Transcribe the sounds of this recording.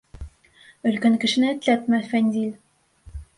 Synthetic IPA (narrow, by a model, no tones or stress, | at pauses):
ɵ̆lkæŋkɘ̆ʃɘ̆nɘɘ̆t̪læp̪mɘfænʲd̪ʲilʲ